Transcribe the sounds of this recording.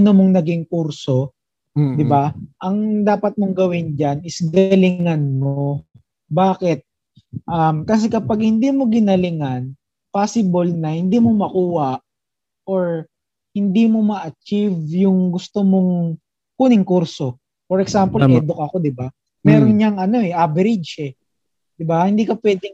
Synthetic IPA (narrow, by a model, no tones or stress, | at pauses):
nomoŋnɐɡɪŋkuɾso̞ | d̪ɪbaʔɐŋd̪aːpɐt̪̚moŋɡɐwɪnd͡ʒanɪsɡɐlɪŋanmo | baːkɪt̪̚ | ʔɐmkɐs̬ɛkɐpaɡ̚hɪnd̪iːmo̞ɡɪnɐlɪŋan | paːsɪbolnɐhɪnd̪iːmomɐkuːhɐʔ | ʔoɹ | hɪnd̪iːmo̞mɐʔɐt͡ʃivjʊŋɡʊst̪omoŋ | kuːnɪŋkuɾso̞ | fɔɾɛksampolʔɛːd̪ok̚ʔɐko̞d̪ɪba | mɛːɾonɲɐŋʔɐno̞ʔɛʔabɛɾɪdd͡ʒɛ | d̪̥ɪbahɪnd̪iːkɐpwɛːd̪ɪŋ